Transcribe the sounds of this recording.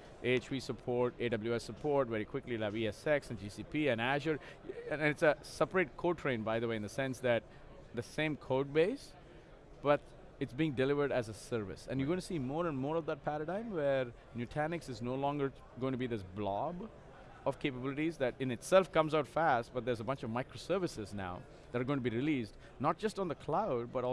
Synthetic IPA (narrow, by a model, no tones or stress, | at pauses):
ʔet͡ʃbisəpʰɔɹʈeːɖʌbl̩jʉɛsːəpʰɔɹʈʋɛɾikʰw̥ɪklilaɪviɛsɛksɨ̃nd͡ʒisipʰiɨ̃næʃə̃ | nɪtsəsɛpəɹeɪʈ̚kʰoʊɖ̚tʰɹẽɪ̃nbaɪðəweɪɨ̃nðəsɛ̃nsðæt̚ | d̪əsẽɪ̃mkʰoʊɖ̚beɪs | b̥ʌt | ɨtsbiɪ̃ŋɖɨlɪvə˞ɖæzəsəɾvɪ̰sɨ̰̃njɨɡõɪ̃tsiːmɔːɾə̃nmɔːɾʌvd̪ət̚pʰæɾəɖãɪ̃mwɛɾ | njʉʈʰænɪksɨznoʊlɔ̃ŋɡəɾ | ɡõɪ̃ŋʈ̬biðɪsblɔb | ʌv̥kʰeɪpəbɪlɪʈizðæɾɪ̃nɨtsɛlˠfkʌ̃mzaʊtfæst̚b̥ʌt̪̚d̪əzəbʌ̃nt͡ʃʌvmaɪkɾosə˞vɨsɪzna̰ʊ | ðæɾa˞ɡõɪ̃ŋʈ̬biɾɪlisd | nət̚d͡ʒ̥ʌstn̩ðəkʰlaʊd̚bʌɾɔ